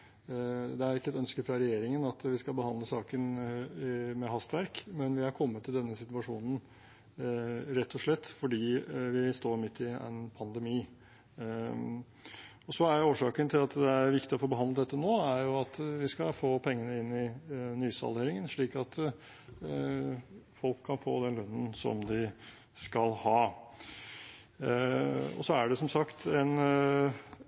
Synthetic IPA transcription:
d̪ɛæɾɪkːəɛt̪œnskəfɾɑɾɛjeːɾɪŋənɑt̪ʋɪskɑlbəhɑnd̪ləsɑːkən | mɛɦɑst̪ʋæɾkmɛnʋɪhæɾkʰɔmːət̪ʰːɪld̪ɛnːəsɪt̪ʋɑʂuːnən̩ | ɾɛt̪ʰːɔʂɭɛt̪ːfɔɖiːʋɪst̪oːɾmɪt̪ʰːɪɛ̰npʰɑnd̪ɛmiː | ɔsɔæɾjoːʂɑːkənt̪ʰɪlɑt̪d̪ɛæɾʋɪkt̪ɪɔfoːbəɦɑnd̪əd̪ɛt̪ːənoːæɾjʊɑt̪ʋɪskɑfoːpʰɛŋːənəɪnːɪnyːsɑ̰leːɾɪŋənʂɭiːkɑt̪ | fɔlkʰːɑnfo̰ːd̪ɛnlœnːən̩sɔ̰md̪ɪ | skɑlhɑː | ɔ̰sɔæɖɛsɔmsɑkt̪ɛn

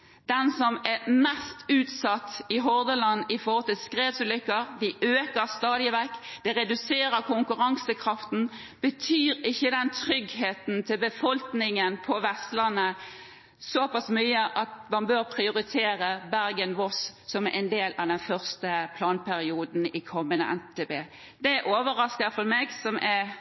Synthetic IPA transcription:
d̪̥ɛnsɔmɛmɛst̪ʉːt̪sɑt̪ːɪɦɔʁd̪əlɑnːɪfɔhɔlt̪ɪlskʁeːʋsʉlʏkːəɾd̪ɪøːkəɾst̪ɑːd̪ɪʋækːd̪̥ɛɾɛd̪ʉseːɾəkʰʊŋkʉɾɑŋsəkʰʁɑft̪n̩ | b̥ət̪ʰyːɾɪçːəd̪ɛnt̪ʰɾʏɡheːt̪n̩t̪ʰɪlbəfɔlknɪŋənpʰɔʋɛst̪lənə | sɔpɑsmyːəʔɑt̪mɑnbøːɾpʰʁɪʊɾɪt̪ʰeːɾəbæɾɡənʋɔsːɔmɛʔɛ̰ɪnd̪eːlʔɑd̪ɛnfœʁst̪əpʰlɑːnpʰæɾɪuːd̪n̩ɪkʰɔmːənə̰ʔɛ̰nt̪t̪ʰeːbeː | d̪̥ɛʔoːʋəɾɑskəfɔɾmeːɡsɔmʔɛɾ

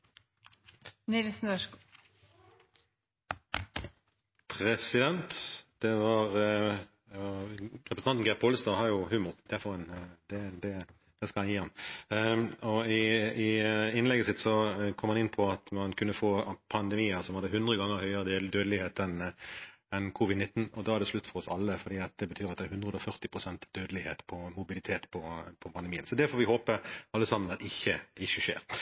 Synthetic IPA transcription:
niʋɪsn̩ø | pʰʁɛsɪd̪ɛnt̪d̪̥ɛʋɑʁ | ʁɛpɾsɑnn̩ɡæpʰoːlst̪ɑhɑɾjʊhʉːmʊʁd̪̥æfɔʁhɛnd̪̥ɛd̪ɛ | d̪̥ɛskɑlhɑnjiːhɑm | ɔɪɪɪnlɛɡəsɪt̪sɔkʰɔmːɑnɪnːpʰɔɑt̪mɑnkʰʉnːəfoːpʰɑnd̪ɛmiːəɾsɔmhɑd̪ːəɦʉnd̪ɾəɡɑŋːəɾhœʏəʁəd̪eld̪øːd̪əlɪheːt̪ɛn | ɛnkʰuːʋɪd̪nɪt̪ːn̩ɔd̪ɑæɾd̪ɛslʉt̪ːfɔɾʁɔsɑ̰lːəfɔd̪iːɑt̪̚d̪ɛbət̪ʰyːɾɑt̪d̪ɛæɾhʉnʁəd̪ɔfœʁt̪ɪpʰʁʊsɛnt̪d̪̥øːd̪əlɪhḛːt̪pʰɔmʊbɪlɪt̪ʰeːt̪pʰɔpʰɔpʰɑnd̪əmiːənsɔd̪ɛfɔːɾʋɪhoːpəɑlːəsɑmːənɑt̪ɪçːəd̪ɪçːəʃḛːɾ

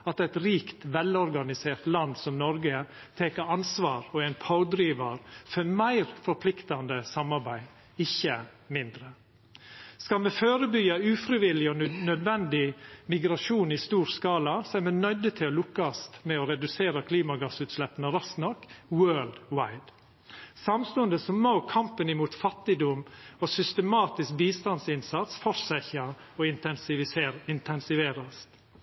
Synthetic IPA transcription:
ɑt̪æɪt̪ɾiːkt̪ʋɛlɔɾɡɑnɪseːɾt̪lɑnd̪sɔmnɔɾɡə | t̪ʰeːkəɑnsʋɑːɾɔæɪnpʰaʊd̪ɾiːʋɑɾfœmæɪɾfɔɾpʰlɪkt̪ɑnd̪əsɑmɑɾbæɪ | ɪçːə | mɪnd̪ɾə | skɑlmɛføːɾəbyɑʉːfɾɪʋɪlɪɔnœd̪ʋɛnd̪ɪmɪɡɾɑʂuːnɪst̪uːɾskɑːlɑsɔæɾmɛnœd̪ət̪ʰɪlɔlʊkːɑst̪mɛɔɾɛd̪ʉseːɾɑkʰliːmɑɡɑsʉːt̪slɛpːənəɾɑst̪nɔkwøːld̪waɪd̪̥ | sɑmst̪ɔnd̪əsɔmːoʊkʰɑmpənɪmuːt̪fɑt̪ɪd̪ʊmɔsʏst̪əmɑːt̪ɪsk̚biːst̪ɑnsɪnsɑt̪sfɔɾsæçɑ | ɔɪn | ɪnt̪ʰɛnsɪʋeːɾɑst̪

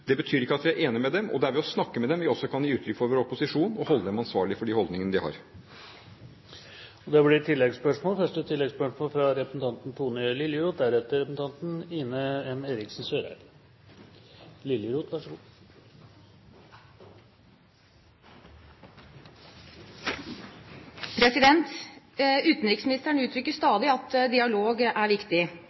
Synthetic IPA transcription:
d̪̥ɛbət̪ʰyːɾɪkːəɑt̪ʋɪæɾʔeːnɪmɛd̪ɛmʔɔ̰d̪ɛæɾʋɪɔsnɑkːəmɛd̪ɛmʋɪɔsːɔkʰɑnjiːʉːt̪ʰɾʏkːfɔɾʋoːɾɔpːʊsɪʂuːnɔhɔlːəd̪ɛmɑnsʋɑːɭɪfɔɖihɔld̪ɪŋənəd̪ɪhɑ̰ɾ | ɔd̪ɛblɪʈ̪ʰɪlːɛɡspœʂmoːlfœʂʈət̪ʰɪlːɛɡspœʂmoːlfɾɑɾɛpɾəsn̩t̪ʰɑnt̪n̩t̪ʰuːnɪlɪljəɾuːt̪̚d̪æɾɛt̪ːəɾɛpəsn̩t̪ɑnt̪n̩ɪnəɛmeːɾɪksn̩søːɾæ̰ɪl | lɪlːəɾuːt̪ʰʋɑʂəɡuː | pʰɾɛsɪd̪ɛnt̪ | ʉːt̪n̩ɾɪksmɪnɪst̪əɳʉːt̪ʰɾʏkːəst̪ɑːd̪ɪɑt̪d̪ɪɑloːɡæɾʋɪkt̪ɪ

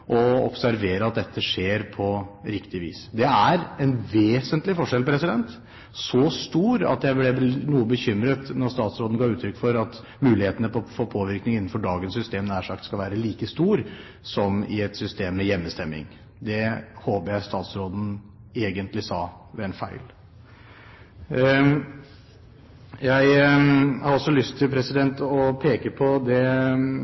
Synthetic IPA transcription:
ʔɔɔ̰psæɾʋeːɾəɑt̪̚d̪ɛt̪ʰːəʂeːɾpʰɔɾɪkt̪ɪʋḭːsd̪ɛæɾɛnʋeːsənt̪lɪfɔʂɛlpʰɾɛsɪd̪ɛnt̪ | sɔst̪uːɾɑ̰t̪jæɪblɛnuːəbəçʏmɾət̪nɔɾst̪ɑːt̪sɾoːd̪n̩ɡɑːʉːt̪ʰɾʏkːfɔɾɑt̪ | mʉːlɪheːt̪ənəpfoːpʰoːʋɪɾknɪŋɪnːn̩fɔɖɑːɡənsːʏst̪eːmnæːʂɑkt̪skɑlʋæːɾəliːkəst̪uːɾ | sɔmɪ̰ɛt̪sʏst̪eːmːɛjɛmːəst̪ɛmːɪ̰ŋ | d̪ɛhoːpəjæɪst̪ɑːt̪sɾoːd̪n̩ | eːɡənt̪lɪsɑː | ʋɛɛnfæɪl | jæɪhɑɾɔsɔlʏst̪ʰːɪlpʰɾɛsɪd̪ɛnt̪ɔpʰeːkəpʰɔd̪ɛ

